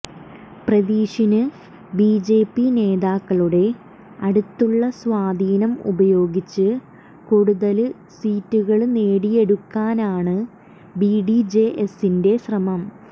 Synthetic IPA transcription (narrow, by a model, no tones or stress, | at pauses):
prɐðiːɕinɨ | biːd͡ʑe̞ːpːine̞ːðaːkːɐɭuɽe̞ | ɐɽut̪ːuɭːɐsʋaːd̪ʱiːnɐmṵbɐjo̞ːɡit͡ɕːɨ | kuɽuðɐl | siːtːuɣɐɭneːɽije̞ɽukːaːnaːɳɨ | biɖid͡ʑe̞ʔesinde̞ɕrɐmɐm